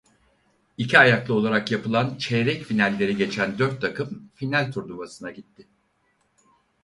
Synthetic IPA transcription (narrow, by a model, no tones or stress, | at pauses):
icʰiajaklˠɯo̞lˠaɾakjapɯlˠant͡ʃʰɛɾɛcfinælʲːe̞ɾiɟe̞t͡ʃʰænd̪øɾt̪ʰːakɯmfinælʲt̪ʰuɾd̪uvasɯnaɟit̪ːɪ